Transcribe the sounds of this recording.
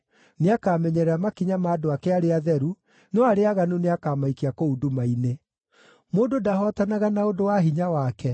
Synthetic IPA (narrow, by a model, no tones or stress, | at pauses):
neakaːmɛɲɛɾɛamakiɲamaːdoakɛaɾeaðɛɾu | nɔaɾeaɣanoneakaːmaikiakoudumaine | moːdodahɔtanaɣanaodowaɦiɲawakɛ